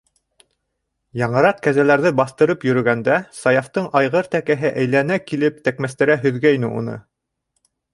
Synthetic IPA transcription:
jɑɴɤ̆ɾɑq̚kæzælæɾðɘbɑθt̪ɤ̆ɾɤpjɵ̆ɾɵ̆ɡænd̪æsɑjɑft̪ɤɴʔɑjʁɤɾt̪ækæɦɘʔæjlænækilɘpt̪ækmæst̪æɾæɦɵ̆ðɡæinɘṵnɤ̰

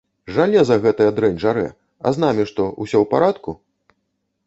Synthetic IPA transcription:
ʐalʲɛzɐɣɛt̪ɐjɐd̪ɾɛnʲʐaɾɛ̰ | ɐ̰zn̪amʲiʂt̪ɔʔusʲɔwpa̰ɾat̪ku

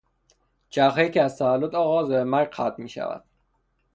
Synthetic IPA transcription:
d͡ʒæχeiːceæzt̪ʰævælːod̪ɒːɣɒːzbemæɾɡqʰæt̪̚miːʃæ̰væ̰d̪̥

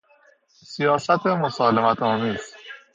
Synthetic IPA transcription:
sijɒːsæt̪ʰemosɒːlemæt̪ʰɒːmiːz̥

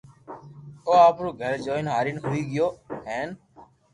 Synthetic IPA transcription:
oːaːpɾoːɡʱəɾd͡ʒoːɪnɦaːɾɪnɦʊiːɡɪjoːɦẽːn

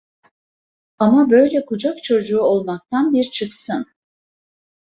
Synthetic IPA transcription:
amabø̞jlʲɛkʰud͡ʒakt͡ʃʰo̞d͡ʒuːo̞lˠmak̚t̪ʰanbiɾt͡ʃʰɯksɯn

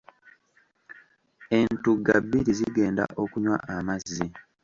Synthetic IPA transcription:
e̞ntuɡːa̰bːiɾiziɡe̞ːnda̰ʔo̞kuɲwa̰ʔamazːi

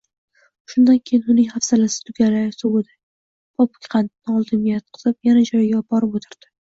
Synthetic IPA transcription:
ʃʊnd̪ankʲʰejɪnʊnɪjhafsalasɪ̥t̪ʰʊɡʲalaɾsowʊd̪ɪ | bɒpʊ̥kʲqʰɑnt̪nɒlˠd̪ɪnʲjat̪̚qʰɨ̥z̥ɪpjanad͡ʒɒjɡʲabɒɾɪpot̪ʰɪɾd̪̥ɪ

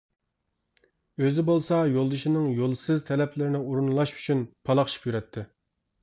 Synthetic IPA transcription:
øzɪbolˠsɑjolˠd̪ɨʃinɨŋjolˠsɨzt̪ʰɛlɛpʰlɪɾɪnɪuɾunlˠɑʃy̥t͡ʃʰynpʰɑlˠɑχʰʃi̥pjyɾɛt̪ʰːɪ

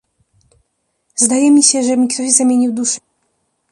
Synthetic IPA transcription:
zd̪ajɛmʲiɕɛʐɛmʲikt̪ɔʑzamʲjeɲiwd̪uʂɛ̥

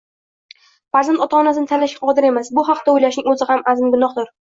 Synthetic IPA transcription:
faɾzant̪ɒt̪ʰaɒːnasɪnɪt̪ʰalːaʃɡʲaqʰɒd̪ɪɾe̞masbʊɦaqd̪aojlaʃnɪŋɵzɪhamazɪmɡʊnɒχd̪ʊɾ

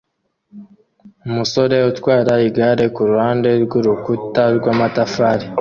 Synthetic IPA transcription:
umuso̞ɾe̞utwaːɾaiɡaɾe̞kuɾuhaːnde̞ɾɡuɾukutaɾɡwaːmatafaːɾi

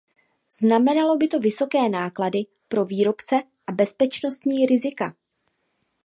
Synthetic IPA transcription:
znamɛnalo̞bɪt̪o̞vɪso̞kɛːnaːkladɪ | pɾo̞viːɾo̞pt͡sɛ | ʔabɛspɛt͡ʃno̞st̪ɲiːɾɪzɪka

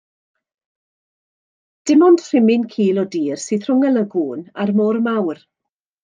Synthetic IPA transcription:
d̥ɪmɔndr̥ɪmɪnkʰiːlˠɔdiːrsɨːθr̥ʊŋələɡuːnarmɔːrmawr

